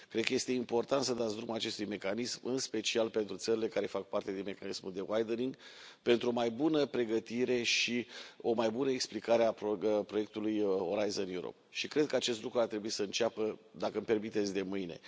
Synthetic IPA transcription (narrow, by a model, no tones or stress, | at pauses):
kɾed̪̚kəje̞st̪e̞impo̞rt̪ant̪səd̪at̪s̬d̪ɾumat͡ʃe̞st̪ujme̞kanismɨnspe̞t͡ʃialpe̞nt̪ɾut̪səɾile̞kaɾe̞fak̚part̪e̞d̪inme̞kanismuld̪e̞wajd̪əniŋɡpe̞nt̪ɾuo̞majbunəpɾe̞ɡət̪iɾe̞ʃio̞majbunəeksplikaɾeapopɾo̞je̞k̚t̪ulujo̞ɾajzonjuɾo̰p̚ʃikɾe̞d̪̚kəat͡ʃe̞st̪lukɾuart̪ɾe̞buisəɨnt͡ʃapəd̪akəɨmpe̞rmit̪et̪sʲd̪e̞mɨjne̞̰